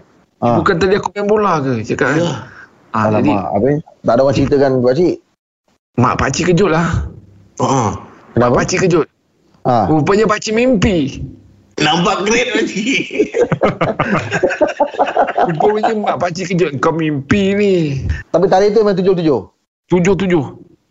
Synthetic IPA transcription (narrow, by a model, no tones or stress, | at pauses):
ʔãbukant̪̬adiakumɛmbolakət͡ʃakaʔ | aaadima̰a̰bet̪aʔdawant͡ʃəɾit̪əkanpaʔt͡ʃiʔ | ma̰ʔpa̰t͡ʃikəd͡ʒʊʔ̪̚lah | oʔokənappat͡ʃikəd͡ʒʊt̪̚ | ʔãupaɲapat͡ʃimimpi | nambaʔɡɾenlad͡ʒi | ukoiɲimaʔpat͡ʃikəd͡ʒʊt̪̚ŋkawmimpinit̪ap̬it̪aɾɪht̪uimãt̪ud͡ʒʊht̪ud͡ʒoh | t̪ud͡ʒʊht̪ud͡ʒʊh